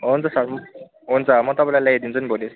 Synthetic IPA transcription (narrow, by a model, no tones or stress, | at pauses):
ɦont͡sasam | ɦunt͡samʌt̪ɔpaj̃lajlajed̪int͡sʰunibʱolis